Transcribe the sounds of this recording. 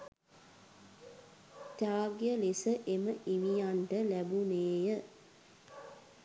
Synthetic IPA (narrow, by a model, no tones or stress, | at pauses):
t̪aːɡjəlesəʔeməʔiʋijanɖəlæbuneːjə